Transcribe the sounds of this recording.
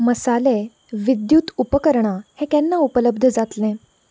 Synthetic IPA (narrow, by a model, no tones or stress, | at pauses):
məsale | ʋid̪juːt̪upəkəɾɳahẽkɛnːaupələb̚d̪ʱəd͡zat̪lɛ̃